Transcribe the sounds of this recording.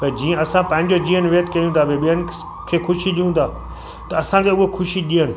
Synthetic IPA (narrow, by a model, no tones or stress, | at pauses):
t̪ɐd͡ʑiːə̃ɐsãpɐ̃ɦɪ̃ɲd͡ʑod͡ʑiːənɪʋeːt̪kɐjũt̪ʰaːbeɓijənɪ̆ | kʰeːxʊʃiɗijũːnd̪ʰʱaː | t̪ɐɐsãkʰeʊɦekʰʊʃiɗiːənɪ̆